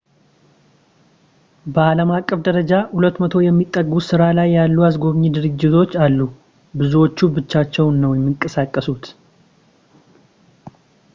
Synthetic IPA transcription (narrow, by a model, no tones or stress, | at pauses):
bəaləmakʼːəfd̪əɾəd͡ʒahulət̪ːmət̪ʰo̞jɛmːit̪ʼːəɡusɨɾalajːalːuasɡo̞βɲid̪ɨɾɨd͡ʒːɪt̪ʰo̞t͡ʃːalːu | bɨzuwo̞t͡ʃːubɨt͡ʃːat͡ʃːɛwnːəwjɛmːɨŋkʼəsakʼːəsut̪